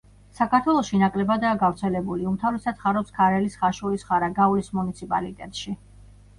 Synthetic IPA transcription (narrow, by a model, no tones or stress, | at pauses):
sakʰaɾt̪ʰwɛlˠɔʃinakʼlɛbad̪aːɡavɾt̪sʰɛlɛbuliumt̪ʰavɾɛsat̪sʰχaɾɔpskʰaɾɛlisχaʃulisχaɾaɡaulismunit̪sʰipʼa̰lit̪ʼɛt̪ʼʃi